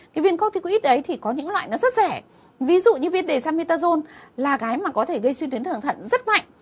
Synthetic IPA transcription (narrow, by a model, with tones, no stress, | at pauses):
kʰi˨˩vi˧ənkɔ˧ŋ͡mt̪i˧ku˧˦ʔi˦˥t̚ʔə˨˦jt̪ʰi˨˩kɔ˨˦ɲɨ̰˧˥ŋlwa̰ː˧˨jnɔ˨˦zə˦˥t̚zɛ˧˩ | vi˨˦zṵ˧˨ɲɨ˧vi˧ənɗe˨˩saː˧mi˧t̪aː˧zo˧nlaː˨˩ɣaː˨˦jmaː˨˩kɔ˨˦t̪ʰe˧˩ɣə˧jswi˧t̪wi˨˦nt̪ʰɨ˧˩nt̪ʰə̰˧˨nzə˦˥t̚ma̰˧˨ŋ